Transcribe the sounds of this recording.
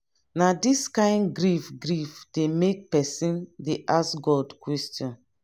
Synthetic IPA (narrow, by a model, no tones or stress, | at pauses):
nadiskãɪ̃ndɡɾifɡɾifd̥emek̚pɛsĩndeʔasɡɔdkwɛstjɔ̃n